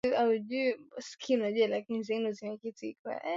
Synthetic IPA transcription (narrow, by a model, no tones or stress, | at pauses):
auʄuskʰinaʄualakinizinuziɲɛkitiika̰